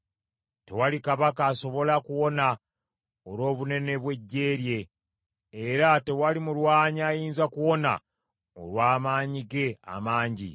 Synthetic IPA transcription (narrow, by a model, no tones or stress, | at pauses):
tewalikaβakaːso̞βo̞lakuwo̞na | olo̞ːβune̞ne̞βwe̞ɟːe̞ːɾje̞ː | ɾate̞walimulwaːɲaːjiːnzakuwo̞na̰ | o̞̰lwaːmaːɲiɡe̞a̰maːɲɟḭ